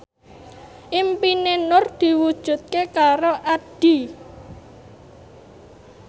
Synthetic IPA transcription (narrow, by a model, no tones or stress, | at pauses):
ʔimpinenʊrd̪̥i̤wud̥ʒ̥ṳt̪̚kekaɾoʔad̥i̤